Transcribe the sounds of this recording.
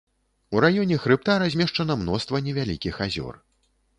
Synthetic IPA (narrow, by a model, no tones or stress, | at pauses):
uɾajɔnʲɛxɾɨp̚t̪aɾazʲmʲɛʂt͡ʂɐnɐmnɔst̪vɐnʲɛvʲalʲikʲixazʲɔ̰r